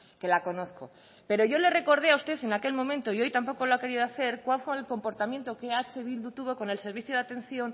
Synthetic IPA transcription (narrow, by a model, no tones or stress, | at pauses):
ke̞lako̞noθko̞ | pe̞ɾo̞ʝo̞le̞re̞ko̞ɾðeaust̪e̞θe̞nake̞lmõ̞mẽnt̪oio̞jt̪ampo̞koloake̞ɾiðoaθe̞ɾkwalfweelko̞mpo̞ɾt̪amjent̪okeat͡ʃeβ̞ild̪ut̪uβo̞ko̞ne̞lse̞ɾβiθjoðat̪ẽ̞nθjo̞n